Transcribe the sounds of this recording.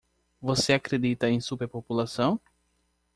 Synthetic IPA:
voseakɾed̪it̪ɐẽj̃supeɾpopulasɐ̃w̃

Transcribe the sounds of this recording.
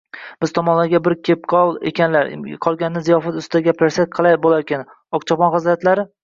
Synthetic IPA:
b̥ɪzt̪ʰɒmɒnlaɡʲabɪɾkʲʰep̚qʰɒlˠḛkʲanlaɾ̰qʰɒlˠɡʲanɪnɪzijɒfat̪ʊst̪d̪aɡʲapɾaɾsat̪̚qʰɨlˠabolˠaɾkʲan | ɒqt͡ʃʰɒpɒnχɨzlat̪laɾɪ

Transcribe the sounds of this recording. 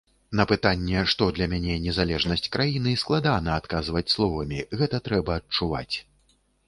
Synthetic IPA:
n̪ɐpɨt̪anʲːɛʂt̪ɔd̪lʲɐmʲanʲɛnʲɛzalʲɛʐnɐsʲt͡sʲkɾʔajinɨsklˠad̪anɐat̪̚kazvɐt͡sʲslˠɔvɐmʲiɣɛt̪ɐt̪ɾɛbɐːt͡ʂuva̰t͡sʲ

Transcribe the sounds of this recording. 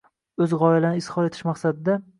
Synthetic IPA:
ɵzʁɒɪlanɪːshɒɾet̪ʰɪ̥ʃmaχsad̪ɪd̪a

